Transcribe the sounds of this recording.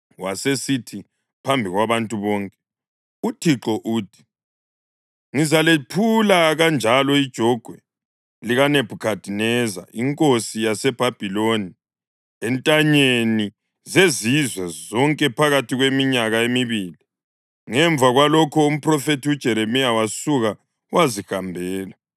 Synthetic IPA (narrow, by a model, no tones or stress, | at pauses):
wasesitʰi | pʰambʱiɣwaβantʼuβɔːŋkʼɛ | utʰiǁɔʔuːtʰi̥ | ŋizalepʰulaɣand͡ʒʱalɔid̥ʒ̥ʱɔɡ̥ʱwɛ | liɣaneb̥ʱukʰad̥ʱinɛza̰iŋkʼosijasɛb̥ʱab̥ʱiloni | ɛntʼaɲeni | zezizwɛzɔŋkʼɛpʰaɣatʰiɣwemiɲaɣaemiβili | ŋɛɱb̪vʱaɣwalɔkʰɔum̩pʰrɔfetiud̥ʒ̥ʱɛɾemijawasuɣa | wazixambʱɛːla